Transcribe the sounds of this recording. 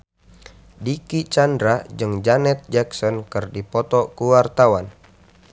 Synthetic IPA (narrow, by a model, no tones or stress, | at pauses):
dikit͡ʃandɾad͡ʒɨŋd͡ʒanɛt̪̚d͡ʒɛksɔnkɨrdipɔt̪ɔkuwart̪awan